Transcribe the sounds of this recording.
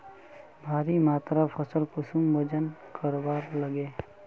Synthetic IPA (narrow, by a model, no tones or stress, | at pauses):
bʱaːɾimaːt̪ɾapʰəsəlkʊsumbod͡ʒənkəɾbaːɾləɡeː